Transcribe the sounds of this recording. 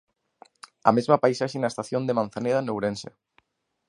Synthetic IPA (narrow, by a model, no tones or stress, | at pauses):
amezmapajsaʃenaest̪aθjond̪emãnθaneðanewɾensḛ